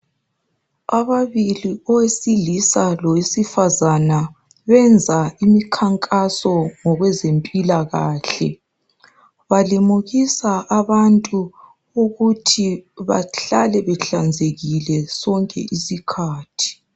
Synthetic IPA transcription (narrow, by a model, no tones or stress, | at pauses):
aβaβiliɔwesilisalɔwesifazana | βɛnd͡zʱaimikʰaŋkʼasɔŋɔɣwɛzempʼilaɣaːɬɛ̰ | βalimuɣisaʔaβantʼu | uɣutʰiβa̰ɬalɛβɛɬand͡zʱeɣilɛsɔŋkʼɛ̰ʔisikʰaːtʰi̥